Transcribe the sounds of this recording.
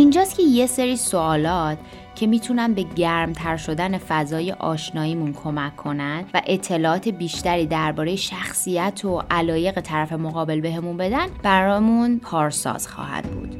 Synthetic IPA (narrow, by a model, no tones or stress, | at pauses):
ʔind͡ʒɒːst̪cʰe̞je̞seɾiːsoɒːlɒːt̪ʰ | cʰe̞miːt̪ʰunænbe̞ɟæɾmt̪ʰæɾʃo̞d̪æne̞fæzɒːje̞̰ʔɒ̰ːʃnɒːiːmunkʰo̞mækʰːo̞nænd̪væʔet̪ʰːe̞lɒːʔɒːt̪ʰe̞biːʃt̪æɾiːd̪æɾbɒːɾe̞jeʃæxsijæt̪ʰoʔælɒːje̞ɣe̞t̪ʰæɾæfe̞mo̞ɣɒːbe̞lbe̞ɦe̞munbe̞d̪ænb̥æɾɒːmunpʰɒːɾsɒ̰ːz̥xɒ̰ːhæ̰d̪bṵːd̪̥